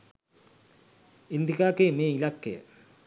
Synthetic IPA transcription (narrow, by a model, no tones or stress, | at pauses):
ind̪ʱikaːkejmeːilakːḛjə̰